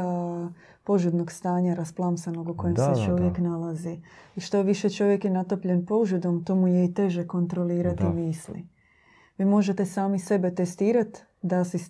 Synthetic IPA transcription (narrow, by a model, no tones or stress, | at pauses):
po̞ʒud̪noɡst̪aːɲaɾasplˠamsanoɡuko̞jemsset͡ʃo̞ʋjeknalaziiʃt̪o̞ʋiʃet͡ʃo̞ʋje̞kjenat̪o̞pʎe̞npo̞ʒud̪o̞mt̪omujeit̪e̞ʒeko̞nt̪ɾo̞liːɾat̪imiːslḭ | ʋiːmo̞ʒet̪e̞saːmise̞be̞t̪est̪iːɾat̪ | d̪asis